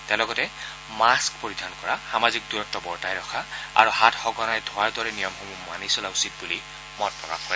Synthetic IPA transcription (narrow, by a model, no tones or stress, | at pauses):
tɛ̃lɔɡɔtɛ | maskpoɹidʱankɔɹaxamazik̚duɹɔk̚tːɔbɔɹtajɹɔxʰaa̰ɹuhatxɔɡɔnajdʱɔaɹdɔɹɛnijɔmxomuma̰nisɔlausit̚buli | mɔt̚pɹɔka̰xɔj